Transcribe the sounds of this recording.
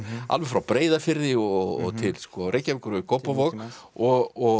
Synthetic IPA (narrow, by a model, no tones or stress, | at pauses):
a̰lvɛfɾawpɾeːjðafɪɾðɪɔɣɔ̰ɣt̪ʰɪlskɔɾʔeːjcavɪkʏɾʏkʰowpavɔɣɔɣɔ